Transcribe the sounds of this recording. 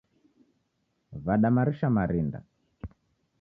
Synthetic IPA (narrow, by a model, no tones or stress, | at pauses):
vaɗamaɾiʃamaɾinda̰